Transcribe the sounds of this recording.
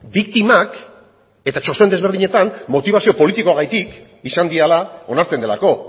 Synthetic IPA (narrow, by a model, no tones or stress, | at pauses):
bikt̪imak | e̞t̪at͡ʃo̞st̪oe̞nd̪e̞zβe̞ɾð̞iɲe̞t̪anmo̞t̪iβ̞asio̞po̞lit̪iko̞aɣajt̪ik | isand̪ialao̞naɾt͡se̞nd̪e̞la̰ko̞